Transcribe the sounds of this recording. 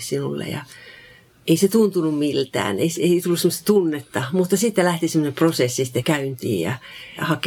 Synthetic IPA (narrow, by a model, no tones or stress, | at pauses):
ssinulːḛjɑ̰ | eiset̪unt̪unummilt̪æ̰ːnḛiseit̪ulːusemːost̪ɑ̥t̪unːet̪ːɑmut̪ːɑsit̪ːælæht̪isemːŏneprosesːisi̥t̪ːekæynt̪ḭːjjɑ̰jɑ̰hɑk